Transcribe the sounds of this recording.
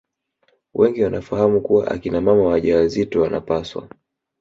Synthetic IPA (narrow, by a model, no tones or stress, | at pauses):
wʔɛŋɡiwanafahamukuwa̰ʔa̰kinamamawaʄawazitɔwana̰paswa̰